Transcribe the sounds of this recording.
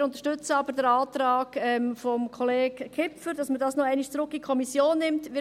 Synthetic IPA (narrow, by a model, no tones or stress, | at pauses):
ʊntə̥ʃtʏt͡səɑbədəɾɑːtɾɑːɡ̥ɛmfɔmkʰɔleːɡkʰɪpfəɾd̥ɑsmədɑːsnoæɪnɪʃt͡sɾʊkːikʰɔmisjoːnːɪmtʋɪ